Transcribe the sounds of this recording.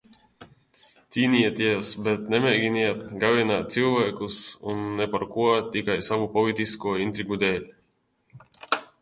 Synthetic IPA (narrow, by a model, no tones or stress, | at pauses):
t̪sʲiːnʲiɛt̪iɛsbɛt̪nemeːjɡʲinʲiɛt̪ɡavinaːt̪̚silˠvaːkusunːepaɾkuɔt̪ikajsavupɔlˠit̪iskuɔint̪ɾiɡud̪eːlʲ